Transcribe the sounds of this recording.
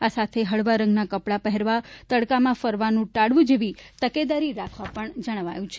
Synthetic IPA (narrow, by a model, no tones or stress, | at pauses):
asat̪ʰeɦəɭʋaɾə̃ŋɡnakəpɽapəɦɛɾʋat̪əɽkamãfəɾʋanũʈaɽʋũd͡ʒeʋit̪əked̪aɾiɾakʰʋãpəɳd͡ʒəɽ̃ʋa̰jũt͡ʃʰe